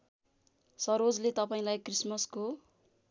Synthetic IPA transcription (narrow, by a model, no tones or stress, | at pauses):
sʌɾod͡zlet̪ʌpaĩlajkrismʌsko